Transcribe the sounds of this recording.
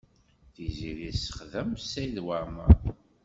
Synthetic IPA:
θiziɾisə̥χðəmsæðwæmæ

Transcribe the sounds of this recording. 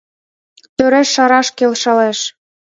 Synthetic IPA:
t̪øɾeʃːɑɾɑʃkelʃɤ̆leʃ

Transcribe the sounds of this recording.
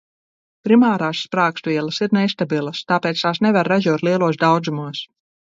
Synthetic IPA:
pɾimaːɾaːsːpɾaːkst̪vʲiɛlˠɐsiɾnɛst̪abilˠɐst̪aːpɛːt̪st̪aːsnɛvaɾːaʒuɔt̪liɛlˠuɔsd̪awd̪zumuɔs

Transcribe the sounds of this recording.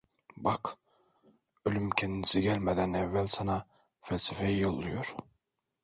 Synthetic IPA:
bɑq | ølymkʲʰend̪isiɡʲælʲmæd̪ænævːælʲsɑnɑ | fælʲsifejjolˠːujoɾ

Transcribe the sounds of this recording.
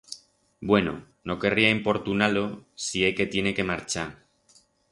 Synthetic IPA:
bwe̞no̰ | no̞ke̞riaempo̞ɾt̪unalo̞sie̞ke̞t̪je̞ne̞ke̞maɾt͡ʃa

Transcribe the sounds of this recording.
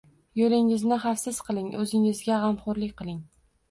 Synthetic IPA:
jolɪŋɪznɪχafsɪz̥qʰɨlˠɪŋɵzɪŋɪzɡʲaʁamχʊɾlɪkʲqɨlˠɪŋ

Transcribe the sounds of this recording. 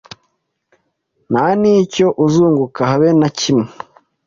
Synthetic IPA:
naniːco̞ʔuzuːŋɡukaɦaβenacimŋe

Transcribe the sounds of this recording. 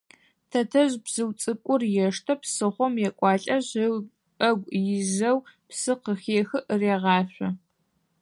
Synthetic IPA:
tʰɐtʰɐʑbz̥ɨwt͡sʼɨkʷʼʊrjɛʂtʰɐpsɨχʷɔmjɛkʷʼɑːɬʼɐʑ | ɐɡʷjɪʑɐwpsɨqəxeːxɨʔɨreːʁɑːɕʷɔ

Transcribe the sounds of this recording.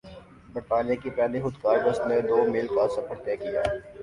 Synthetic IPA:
bɐɾt̪aːnijakipaːlixʊd̪kaːɾɖʊst̪ned̪oːmiːlkasɐpəɽt̪ekija̰ː

